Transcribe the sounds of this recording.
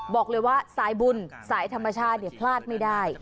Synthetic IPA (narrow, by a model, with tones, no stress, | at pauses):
bɔː˨˩k̚lɤː˧jwaː˥˩saː˨˩˦jbu˧nsaː˩˦jt̪ʰa˧mːa˧t͡ɕʰaː˥˩t̪̚ni˧˩ɐpʰlaː˥˩t̪̚ma˥˩jdaː˥˩j